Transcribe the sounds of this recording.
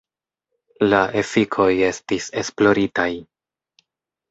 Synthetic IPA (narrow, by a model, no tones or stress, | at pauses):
laʔe̞fikʰo̞je̞stise̞splo̞ɾitaj